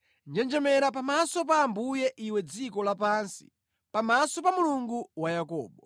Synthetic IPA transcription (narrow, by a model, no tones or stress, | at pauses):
nd͡ʒɛnd͡ʒɛmɛɾap̬amasɔp̬aːmbujɛʔiwɛd͡zikɔlapansi̥̰ | pamasɔpamuluŋɡuwajakɔ̰ːɓɔ